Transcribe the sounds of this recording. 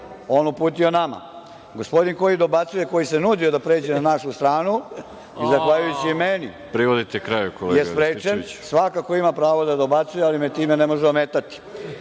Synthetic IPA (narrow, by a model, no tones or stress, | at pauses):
o̞ːnupuːt̪io̞nama̰ | ɡospo̞d̪inko̞jid̪o̞bat̪sujeko̞jisenuːd̪io̞d̪apɾe̞ːd͡ʑenanaʃust̪ɾaːnu | izaxʋaʎujut͡ɕimeni | pɾiʋod̪it̪ekɾajukolḛjeɡ̪pɾeːt͡ʃeni̥sʋakako̞imapɾaːʋod̪ad̪o̞bat̪sujealimet̪iːmenemo̞ʒeomet̪at̪i̥